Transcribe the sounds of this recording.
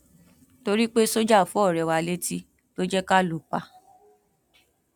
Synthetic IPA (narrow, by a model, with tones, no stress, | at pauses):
to˧ɾi˦k͡pe˦so˦d͡ʒa˦˨fũ˨˦ɔ˦˨ɾɛ˧˨wa˧le˦ti˦ | to˦d͡ʒɛ˦ka˦lo˨k͡pa˨˧